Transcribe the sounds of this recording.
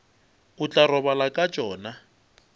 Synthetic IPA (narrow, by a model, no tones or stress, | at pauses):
ʊt͡ɬʼarɔβalakʼat͡ʃʼɔːna